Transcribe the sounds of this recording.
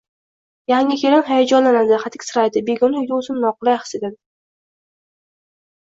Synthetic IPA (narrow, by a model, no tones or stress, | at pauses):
jaŋʲɪkʲʰeɾɪnɦajad͡ʒɒnlanad̪ɪχat̪ʰɪkʲsɨɾajd̪ɪbeɡʲʊnɪjd̪ʊsɪmnɒqʊlajχsed̪ad̪ɪ